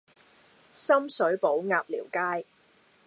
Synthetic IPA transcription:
sɐ˥msɵ˨˥ɥpo˨˥wŋaː˧p̚liː˨˩wkaː˥j

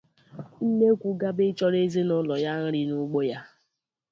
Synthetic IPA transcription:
n̩˦ne˦kʷu˨ɡa˦be˦t͡ʃɔ˦ɾe˦ze˦nʊ˦lɔ˨ja˦n̩˦ɾi˦nʊ˦ɡ͡bo˦ja˦

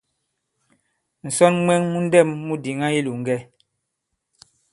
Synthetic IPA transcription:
n̩˨sɔ˦nmwɛ˦ŋmu˦n̩˦dɛ˦˨mːu˦di˨ŋa˦i˦lu˨ŋ̩˦ɡɛ˦

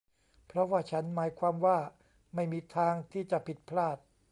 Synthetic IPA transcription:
pʰɾɔ˦˥waː˥˩t͡ɕʰa˦˥nmaː˩˦jkʰwaː˧mwaː˥˩ | ma˥˩jmiː˧t̪ʰaː˧ŋt̪ʰiː˥˩t͡ɕa˨˩pʰi˨˩t̪̚pʰlaː˥˩t̪̚

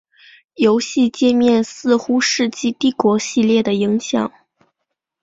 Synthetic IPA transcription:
jo˧˥ʊɕi˥˧t͡ɕjɛ˥˧mjɛ˥˧nsɹ̩˥˩xu˥ʂɻ̩˥˧t͡ɕi˥˧t̪i˥˩kwɔ˧˥ɕi˥˧ljɛ˥˩d̪ə˩i˧˥ŋɕjɑ˨˩˦ŋ

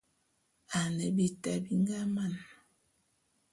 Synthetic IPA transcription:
a˨ne˨bi˨ta˨bi˦ŋɡa˦ma˦˨n

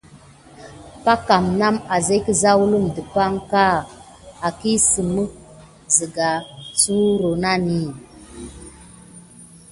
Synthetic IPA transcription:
pa˦ka˨mna˦ma˨ze˦kə˦za˦wu˦lu˦mdə˨pa˦ŋka˦˨ | a˨ki˦sə˨mə˦ | zə˨ɡa˨su˦ɾo˨na˦ni˦˨

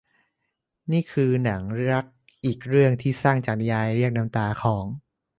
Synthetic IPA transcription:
niː˥˩kʰɯː˧na˩˦ŋɾa˦˥k̚ | ʔiː˨˩k̚ɾɯ˥˩əŋt̪ʰiː˥˩saː˥˩ŋt͡ɕaː˨˩na˧jaː˧jɾi˥˩ək̚na˧˥mt̪aː˧kʰɔː˩˦ŋ

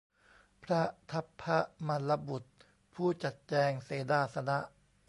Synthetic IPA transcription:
pʰɾa˦˥ʔt̪ʰa˦˥pʰːa˦˥ma˧˥nla˧˦bu˨˩t̪̚ | pʰuː˥˩t͡ɕa˨˩t̪̚t͡ɕɛː˧ŋseː˩˦daː˥˩sa˧na˦˥ʔ

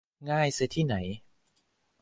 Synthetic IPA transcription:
ŋaː˥˩jsɯ˧t̪ʰiː˥˩na˩˦j

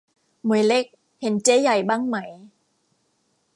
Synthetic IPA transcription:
mu˨˩˦əjle˦˥k̚ | he˨˩˦nt͡ɕeː˦˥ja˨˩jbaː˥˩ŋma˦˥j

